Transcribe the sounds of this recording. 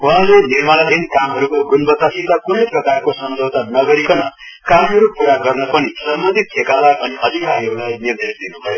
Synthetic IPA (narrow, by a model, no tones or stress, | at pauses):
walenirmalʌd̪ʱinkamɦʌɾukoɡunbʌt̪asit̪akuneprʌkarkosʌmd͡ʒʱʌwt̪anʌɡʌɾikʌnʌ | kamɦʌɾupuɾaɡʌrnʌpʌnisʌmbʌnd̪ʱit̪̚ekalaʌniʔʌd̪ʱikaɾiɦʌɾulajnird̪esd̪inubʱʌjo